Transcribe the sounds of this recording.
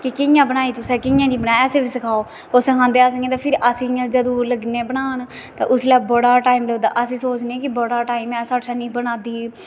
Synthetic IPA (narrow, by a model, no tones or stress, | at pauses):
kɪkɪjãːbəɽ̃aːiːt̪ʊsɛ̃ːkɪjãːniːbəɽaːsẽːbiːsəkʰaːoː | osəkʰãːnd̪eːaːs̬əŋɡẽːt̪ãːpʰɪɾʔəsĩd͡ʒəd̪õːləɡneːbəɽ̃aːn | t̪ã̰ːʔʊslɛːbəɽaːʈaːimləɡd̪a̰ːʔəsĩːsoːt͡ʃneːkɪbəɽaːʈaːimɛ̃ːsaːʈʃaːnĩːbəɽaːd̪iː